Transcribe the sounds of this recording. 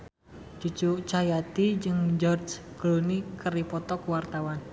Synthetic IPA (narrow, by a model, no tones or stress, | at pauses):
d͡ʒut͡ʃut͡ʃajat̪id͡ʒɨŋd͡ʒɔrd͡ʒklunikəripɔt̪ɔkuwart̪awan